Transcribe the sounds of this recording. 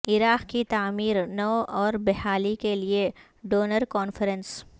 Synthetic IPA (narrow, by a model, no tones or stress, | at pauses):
ɪɾaːqkit̪aːmiːɾnɐʔɔːɾbɛɦaːlikelie | ɖoːnəɾkɔːnfəɾə̃ns